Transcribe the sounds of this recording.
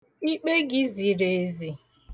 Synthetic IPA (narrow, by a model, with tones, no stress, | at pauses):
i˦k͡pe˦ɡɪ˦zi˨ɾe˨zi˨